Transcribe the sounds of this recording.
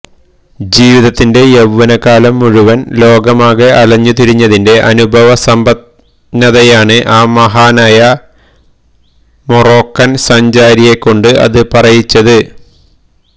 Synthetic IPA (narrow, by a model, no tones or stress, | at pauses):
d͡ʑiːʋiðɐt̪ːinde̞jeʋːɐnɐkːaːlɐmːuɻuʋɐnlo̞ːɡɐmaːɣɐʔɐlɐɲːut̪iɾiɲːɐðinde̞ʔɐnubʱɐʋɐsɐmbɐt̪ | nɐðɐjaːɳɨʔaːmɐɦaːnaːjɐ | moro̞ːkːɐnsɐɲd͡ʑaːɾije̞kːo̞ɳɖɨʔɐ̰ðɨpɐrɐjit͡ɕːɐðɨ